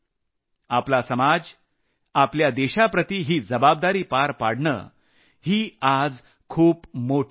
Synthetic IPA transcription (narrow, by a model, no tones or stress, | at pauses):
aplasəmad͡z | apljad̪eɕapɾət̪iːɦiːd͡zəbab̚d̪aɾiːpaɾpaɽɳə̰ː | hiːad͡z | kʰuːpmoʈʰ